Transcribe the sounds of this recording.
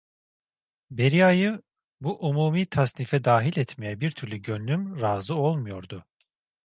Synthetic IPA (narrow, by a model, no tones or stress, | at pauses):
be̞ɾijajɯ | buʔumuːmiːt̪ʰasnifɛd̪aːɦilʲɛt̪mejɛbiɾt̪ʰyɾlʲyɟø̞nlymɾaːzɯo̞lˠmujo̞ɾd̪ʊ